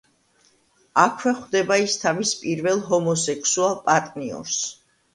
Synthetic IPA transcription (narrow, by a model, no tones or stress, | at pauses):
akʰwɛχd̪ɛbaist̪ʰavispʼiɾvɛlˠɦɔmɔsɛkʰsualˠpʼat̪ʼniɔ̰ɾs